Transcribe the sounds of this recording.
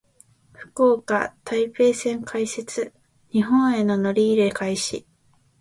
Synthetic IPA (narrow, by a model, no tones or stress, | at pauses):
ɸɯ̟̥koːka̰t̪ʰaipe̞ːsẽ̞ŋkʰaise̞t͡sɨ | ɲ̟iɦõ̞ɰ̃e̞no̞no̞ɾʲiːɾe̞kaiɕi